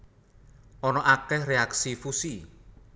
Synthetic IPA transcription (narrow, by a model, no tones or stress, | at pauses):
ʔɔnɔʔakɛhreaksifusi